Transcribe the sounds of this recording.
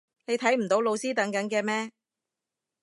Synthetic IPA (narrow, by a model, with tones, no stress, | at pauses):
ne˨˧jt̪ʰɐ˨˥jm̩˨˩t̪o˨˥wlo˨˧wsiː˥t̪ɐ˨˥ŋkɐ˨˥nkɛː˧mɛː˥